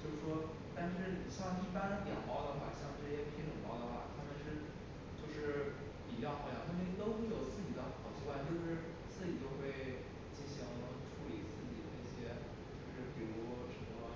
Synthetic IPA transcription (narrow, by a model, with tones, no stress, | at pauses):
t͡ɕjo˥˧ʊʂɻ̩˥˩ʂwɔ˥ | t̪a˥˧nʂɻ̩˥˩n˨˩ɕjɑ˥˧ŋi˥˩pa˥ɻə˧˥nt̪jɛ˨˩npɑ˥˩ʊd̪ə˨˩xwa˥˩ɕjɑ˥˧ŋʈ͡ʂɤ˥˧˩ɕjɛ˥pe˥˩t͡ɕʰi˧˥ŋt̪ʊ˨˩ŋmɑ˥˩ʊd̪ə˩xwa̰˥˩t̪ʰa˥mə˨nʂɻ̩˥˧ | t͡ɕjo˥˧ʂɻ̩˥˩ | pi˨˩t͡ɕjɑ˥˧ʊxɑ˥˩jɑ̰˨˩t̪ʰa˥˩m˥t̪o˥ʊxwe˥˩ɪjo˨˩ʊt͡sɹ̩˥˩t͡ɕi˨˩d̪ə˦xɑ˨˩ʊt͡ɕʰi˥kwa˥˧nt͡ɕjo˥˧ʊʂɻ̩˥˧ | t͡sɹ̩˥˩t͡ɕi˨˩t͡ɕjo˥ʊxwe˥˧ɪ | t͡ɕi˥˩ɕi˧˥ŋ˨˧˥ʈ͡ʂʰu˥li˨˩t͡sɹ̩˥˩t͡ɕi˨˩d̪ə̰˦i˥˩ɕjɛ˥ | t͡ɕo˥˧ʊʂɻ̩˥˩pi˧˩˥lu˥˧˩ʂə˧˥nmə˧